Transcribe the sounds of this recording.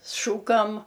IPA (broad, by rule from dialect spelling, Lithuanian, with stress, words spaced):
ˈʃuːkɐm